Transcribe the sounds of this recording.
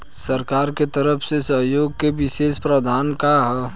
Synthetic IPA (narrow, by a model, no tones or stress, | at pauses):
səɾkaːɾket̪əɾəpʰsesəɦjoːɡ̚keʋɪʃeːspɾəd̪ʱaːnkaɦɛ